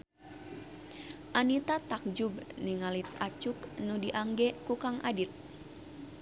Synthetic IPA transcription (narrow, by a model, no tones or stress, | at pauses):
ʔanit̪at̪ak̚d͡ʒubniŋalit̪̚at͡ʃuknudiʔaŋɡɛkukaŋʔa̰dit̪̚